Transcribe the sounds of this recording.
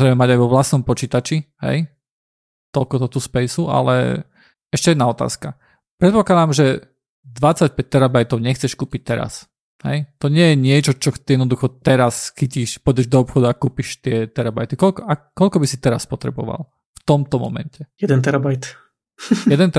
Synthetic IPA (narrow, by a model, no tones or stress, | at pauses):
ɾɛɪmɛmaɟajʋɔʋlasnɔmpɔt͡ʃiːt̪at͡ʃiɦɛ̰j | t̪ɔlkɔt̪ɔt̪uspɛjsua̰lɛ̰ | ɛʃcɛjɛd̪naɔt̪a̰ːska | pɾɛt̪̚pɔklˠad̪amʒɛ | d̪ʋat͡sːac̚pɛc̚t̪ɛɾabajt̪ɔʊɲɛxt͡sɛʃkuːpic̚t̪ɛɾa̰s | hɛ̰jt̪ɔɲɪɛjɛɲɪɛt͡ʃɔt͡ʃɔt̪ijɛd̪nɔd̪uxɔt̪ɛɾasxiciʃpɔdɛʒd̪ɔɔpxɔd̪uakuːpiʃt̪ɪɛt̪ɛɾaba̰jt̪ikɔlkɔakɔlkɔbisit̪ɛɾaspɔt̪ɾɛ̰bɔʋa̰lˠ | ft̪ɔmt̪ɔmɔ̰mɛ̰ncɛjɛd̪ɛnt̪ɛɾabajt̪ | ɛd̪ɛnt̪ɛ